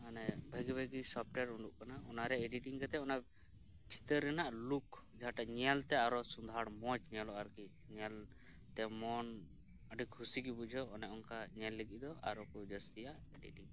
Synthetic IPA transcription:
anɛbʱəɡibʱəɡisɔp̚ʈɛɾuɳɖuʔkanaɔnaɾɛeɖiʈiŋkɛt̪ɛɔna | t͡ʃʰi̥t̪əɾːɛnaʔluk | d͡ʒaɦaʈaɲɛlt̪ɛaɾɔsund̪ʱaɽmɔt͡ʃɲɛlɔʔaɾki | ɲɛl | t̪ɛmɔn | əɖikʰusiɡibud͡ʒʱɔːnɛʔɔŋkaɲɛlːəɡiʔd̪ɔʔa̰ɾɔkud͡ʒəst̪ijaʔeɖḭʈiŋ

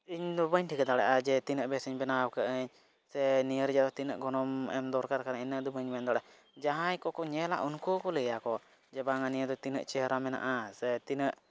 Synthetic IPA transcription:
iɲd̪ɔbəɲʈʰikad̪aɽaʔad͡ʒɛt̪inəʔbɛsəɲbɛnawkəʔəɲ | sɛnijəɾd͡ʒat̪ɔt̪inəʔɡɔnɔmɛ̰md̪ɔɾkaɾkaɾainəd̪ubəɲbɛnd̪aɽɛʔ | d͡ʒaɦãɲkɔkɔɲɛla̰ʔunkukɔlɛjakɔ | d͡ʒɛbaŋanijəd̪ɔt̪inə̰ʔt͡ʃɛɦɾamɛna̰ʔasɛt̪inəʔ

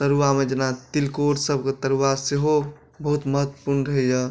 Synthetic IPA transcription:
t̪əɾuʋamed͡ʒenat̪ilkoʈsəb̚ket̪əɾuaseɦo | bəɦut̪məɦət̪wə̥puɾnɾəijə

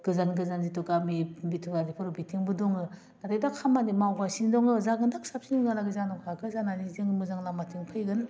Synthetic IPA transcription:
ɡ̥ɯzanɡɯzanzitukamibitʰuɡadipʰɯɾubitʰiŋbɯdɔŋɯ | nadɯjdakʰamanimawɡasiŋdɔŋɯzaɡɯndak̚sap̚siniŋɡɯnaɡɯzanɔkʰakɯzananizɯŋmɯzaŋlamatʰiŋpʰɯjɡɯn

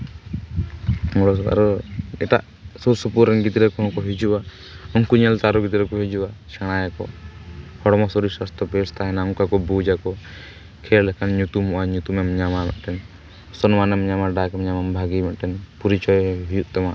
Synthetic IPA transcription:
ŋɔɽɔs̬ɔa̰ɾɔɛt̪a̰ʔ | susupuɾɛnɡit̪ɾɛkɔɦɔ̃kɔɦid͡ʒuwa | ɔŋkuɲɛlt̪aɾɔɡit̪ɾɛkɔɦid͡ʒuwat͡ʃaɽ̃ajakɔ | hɔɽmɔsɔɾisast̪ɔpɛst̪aɦɛnauŋkakɔbud͡ʒakɔ | kʰɛɾlɛkʰanɲut̪umɔʔaɲut̪umɛmɲamamɛ̰ʔʈɛn | sɔnmanɛmɲamaɖakɛmɲamambʱaɡimɛʔʈɛnpuɾit͡ʃɔjɦijuʔt̪ɛma

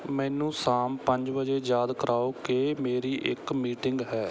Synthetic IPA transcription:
mɛ̃ːnũːsaːmpəɲd͡ʒbəd͡ʒeːd͡ʒjaːd̪kəɾʔaːoːkeːmeːɾiːʔɪ̰kmiːʈɪŋɡɦɛː

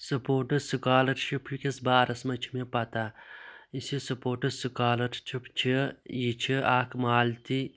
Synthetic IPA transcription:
sɐpoːʈɐsukaːlɐʈt͡ʃʰipʰikɐsbaːɾɐsmɐt͡ʃʰimepɐt̪aːisisɐpoːʈɐsukaːlɐʈt͡ʃʰipʰt͡ʃʰijit͡ʃʰiʔaːkʰmaːlt̪i

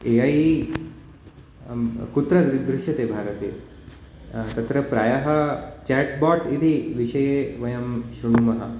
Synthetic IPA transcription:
eːɐj | kut̪ɾɐd̪ɾɪʃɐt̪eːbʱaːɾɐt̪ḛː | t̪ɐt̪ɾɐpɾaːjɐɦɐt͡ʃɛːʈbaːʈid̪ʱiʋiʂɐjeːʋɐjɐmʃɾuɳumɐɦɐ̰

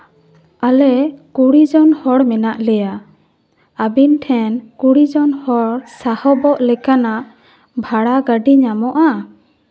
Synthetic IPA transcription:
alɛkuɽid͡ʒɔnhɔɽmɛnaʔlɛja | abinʈʰɛnkuɽid͡ʒɔnhɔɽsahɔbɔʔlɛkanaʔ | bʱaɽaɡaɖiɲamɔʔa

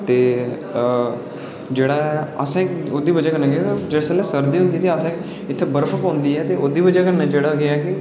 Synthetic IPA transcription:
t̪eː | d͡ʒeːɽaːɛəsãːkoːd̪iːbəd͡ʒaːkəɾnãːɡead͡ʒeɽsəlɛːsəɾd̪iːɦʊ̃nd̪iːt̪eːəsãː | ɪt̪ʰːeːbəɾfʰəpõːnd̪iːɛːt̪eːoːd̪iːbəd͡ʒaːkəɾnaːd͡ʒeːɽaːɡeakɪ

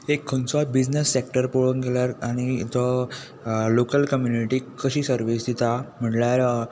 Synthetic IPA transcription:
ekʰːənsabid͡ʑnesːek̚ʈəɾpoɭuːnɡeljaɾaɽ̃it̪ə | lokəlkəmjuniʈiːkəɕiːsəɾʋisd̪it̪am̤əʈljaɾ

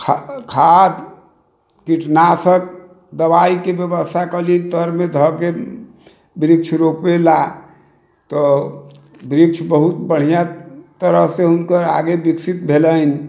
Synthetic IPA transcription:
kʰkʰad̪ | kiʈʰnasək̚ | d̪əbaikebjəbəst̪ʰakəlint̪əɾmed̪ʱəke | bɾik̚t͡ʃʰɾopela | t̪ɔ | bɾik̚t͡ʃʰbəɦut̪bəɽ̤ijat̪əɾəɦseɦunkəɾaɡebiksit̪̚bʱelən

